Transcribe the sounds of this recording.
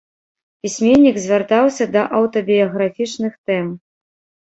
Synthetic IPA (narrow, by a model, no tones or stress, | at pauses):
pʲisʲmʲenʲːiɡzʲvʲart̪awsʲɐd̪ɐʔɐwt̪ɐbʲijɐɣɾafʲit͡ʂnɨxt̪ɛm